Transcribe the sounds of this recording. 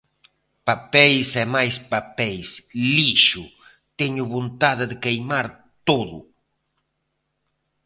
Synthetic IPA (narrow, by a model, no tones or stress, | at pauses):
papɛjsɛmajspapejsliʃu | t̪eɲʊβont̪aðɪðekejmaɾ | t̪oðʊ̰